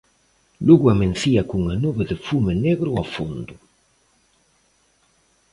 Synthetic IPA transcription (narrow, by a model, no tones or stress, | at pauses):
luɣuamenθiakuŋanuβeðefumeneɣɾuafund̪u